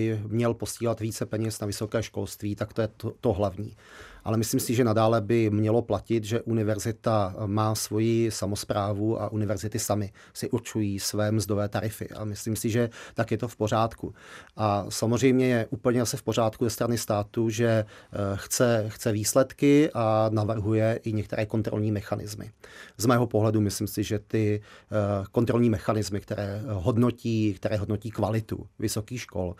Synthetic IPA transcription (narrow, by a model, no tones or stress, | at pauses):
ɪmɲɛlpo̞sciːlat̪viːt͡sɛpɛɲɛsnavɪso̞kɛːʃko̞lst̪viːt̪akt̪ojɛt̪o̞ɦlavɲiːʔa̰lɛmɪsliːmsɪʒɛnadaːlɛbɪmɲɛlo̞placɪt̪ʒɛʔunɪvɛɾzɪt̪amaːsvo̞jisamospɾaːvuʔa̰ʔunɪvɛɾzɪt̪ɪsamɪ | sɪʔuɾt͡ʃujiːsvɛːmzdo̞vɛːt̪aɾɪfɪ̰ʔa̰mɪsliːmsɪʒɛt̪akjɛt̪o̞fpo̞r̝aːt̪kuʔasamozrɛjmɲɛjɛʔupl̩ɲɛzasɛfpo̞r̝aːt̪kuzɛst̪ɾanɪst̪aːt̪uʒɛxt͡sɛxt͡sɛviːslɛt̪kɪʔanavr̩ɦujɛʔɪɲɛkt̪ɛɾʔɛːko̞nt̪ɾo̰lɲiːmɛxanɪ̰zmɪ̰zmɛːɦopo̞ɦlɛdumɪslimsɪʒɛt̪ɪ | ko̞nt̪ɾo̞lɲiːmɛxanɪzmɪkt̪ɛɾɛːɦo̞dno̞ciːkt̪ɛɾɛːɦo̞dno̞ciːkvalɪt̪ṵvɪso̞kiːxʃko̞̰l